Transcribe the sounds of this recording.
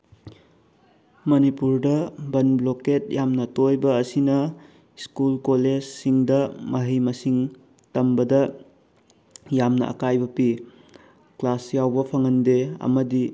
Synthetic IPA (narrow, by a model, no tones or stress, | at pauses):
mɐnipuɾdɐbɐnbloket̚jamnɐtojbɐːsinɐ | skulkoled͡ʒsiŋdɐmɐɦijmɐsiŋ | tɐmbɐdɐ | jamnɐ̰ʔɐ̰kajbɐpi | klasjawbɐpʰɐŋɐndeɐ̰mɐdi